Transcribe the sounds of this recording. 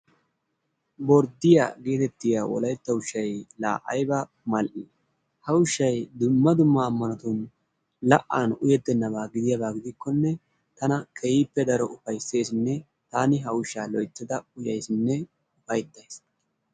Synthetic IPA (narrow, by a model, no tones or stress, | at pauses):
bɔɾd̪ɪja̰ːɡe̞ːt̪ɛt̪ːɪjaːwɔ̰lɐjt̪ːɐʊʃːɐjla̰ːʔɐjbɐ | mɐlʔi | hɐwʊʃːɐjd̪ʊmːɐd̪ʊmːɐːmːɐnɐt̪ʊn | lɐʔːanʊjɛd̪ːɛnːɐβaːɡɪd̪ɪjɐβaːɡɪd̪ɪkːɔnːɛ | t̪ɐnɐkʰɛjiːpːɛd̪ɐɾɔʔʊfɐjse̞ːsnːɛ | t̪aːnɪɦɐwʊʃːaːlɔjt̪ːɪd̪ɐʊjɐjsnːɛ | ʊfɐjd̪ːɐjs